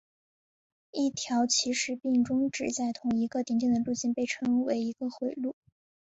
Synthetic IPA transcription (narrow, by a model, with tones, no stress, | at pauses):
i˥˩t̪ʰjɑ˧˥ʊt͡ɕʰi˧˥ʂɻ̩˧˥pi˥˩ŋʈ͡ʂʊ˥ŋʈ͡ʂɻ̩˨˩t͡sa˥˩ɪt̪ʰʊ˧˥ŋi˧˥ɡə˧t̪i˧˥ŋt̪̬i˥˩ŋd̪ə˩lu˥˧t͡ɕi˥˩˧npe˥˩ɪʈ͡ʂʰɤ˥ŋwe˧˥ɪi˧˥ɡə˧xwe˨˩ɪlu˥˩